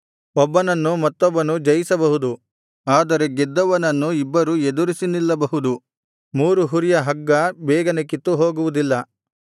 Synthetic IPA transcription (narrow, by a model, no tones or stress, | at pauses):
ɔbːɐnɐnːumɐt̪ːɔbːɐnud͡ʒɐjisɐbɐɦud̪u | aːd̪ɐɾe̞ɡed̪ːɐʋɐnɐnːuibːɐɾued̪uɾisinilːɐbɐɦud̪u | muːɾuɦuɾijɐɦɐɡːɐbɛːɡɐnek̬it̪ːuɦoːɡuʋud̪ilːɐ